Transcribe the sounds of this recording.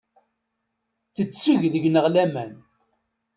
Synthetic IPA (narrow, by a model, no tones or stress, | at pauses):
θət͡sːuʝðəʝnəʁlæmæn